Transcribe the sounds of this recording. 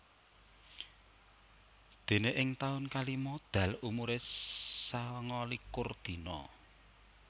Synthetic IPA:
d̪̥e̤neʔɪŋt̪aʊnkalimɔd̪̥ä̤lumuɾesaŋɔlikurd̪̥i̤nɔ̰

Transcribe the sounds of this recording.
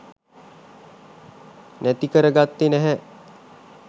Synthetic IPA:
næt̪ikəɾəɡat̪ːinæɦɛ

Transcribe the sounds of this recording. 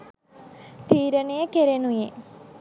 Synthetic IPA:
t̪iːɾənəjəkeɾenuje

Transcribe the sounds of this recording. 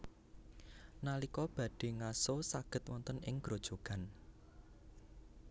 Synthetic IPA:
nalikɔb̥a̤ɖ̥e̤ŋasosaɡ̥ə̤t̪̚wɔnt̪ənɪŋɡ̥ɾod̥ʒ̥o̤ɡ̥a̤n

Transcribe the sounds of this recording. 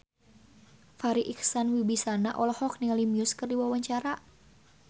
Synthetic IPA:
faɾiʔiksanwibisanaʔɔlahɔk̚niŋalimiʊskɨrdiwawaɲt͡ʃaɾa

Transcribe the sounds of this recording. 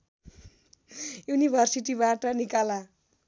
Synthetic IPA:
junibʱʌrsiʈibaʈʌnikala

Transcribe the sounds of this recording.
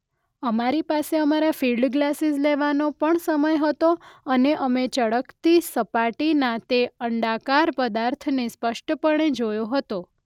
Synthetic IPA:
əmaɾipaseəmaɾafilɖɡlasizleʋanopəɳsəməjɦət̪oəneʔəmet͡ʃəɽəkt̪isəpaʈinãt̪eəɳɖakaɾpəd̪aɾt̪ʰnespəʃʈʰəpəɳ̃ed͡ʒojoɦət̪o

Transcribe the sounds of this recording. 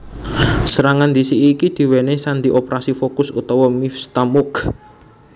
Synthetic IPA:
səɾaŋand̪isiʔːkid̪̥i̤wenesand̪iʔopɾasifokʊsut̪ɔwɔmifst̪amʊk

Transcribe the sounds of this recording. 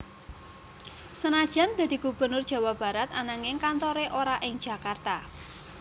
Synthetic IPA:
sənad̥ʒ̥a̤nd̪a̤d̪̥i̤ɡ̥ub̥ə̤nʊr̥ʒ̥ä̤wab̥a̤ɾat̪anaŋɪŋkant̪oɾeʔoɾaʔɪŋ̥d͡ʒ̥a̤kart̪a

